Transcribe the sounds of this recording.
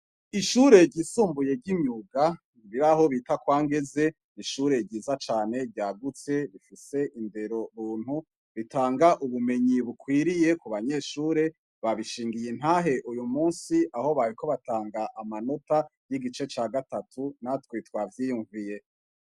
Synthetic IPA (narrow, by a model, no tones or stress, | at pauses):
iʃuɾe̞ɾɟisuːmbuje̞ɾɟimɲuɡa | iβiɾaho̞βitakwaːŋɡe̞ze̞ | niʃuɾe̞ɾɟiːzat͡ʃaːne̞ɟaːɡut͡se̞βifise̞ʔinde̞ɾo̞ɾuːn̥hu | βitaːŋɡaʔuβume̞ɲiβukwiːɾije̞kuβaɲe̞ʃuːɾe̞ | βaβiʃiːŋɡijin̥haɦe̞ʔujumuːnsiaho̞βaɾiko̞βataːŋɡaʔamano̞tajiɡit͡ʃe̞t͡ʃaːɡatatʰunatwitwavjijuɱvije̞